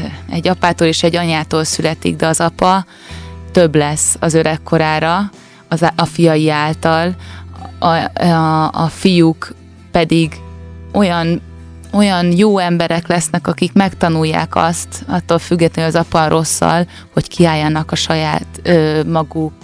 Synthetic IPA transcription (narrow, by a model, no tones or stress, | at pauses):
ɛ̰ɟːɒpaːt̪oːleːʃɛɟːɒɲaːt̪oːlsylɛt̪ḭɡd̪ɛɒzɒpɒ | t̪øblɛsɒzøɾɛkːo̞ɾaːɾɒ | ɒfijɒjiaːlt̪ɒl | fijuk | pɛd̪iɡo̞jɒn | o̞jɒnjoːɛmbɛɾɛklɛsnɛkɒkikmɛkt̪ɒnujːa̰ːkɒ̰st̪ɒt̪ːoːlfyɡːɛt̪lɛnɒzɒpɒrʔo̞sːɒ̰l | ho̞ckʰiaːjːɒnɒkɒʃɒjaːt̪øːmɒɡuk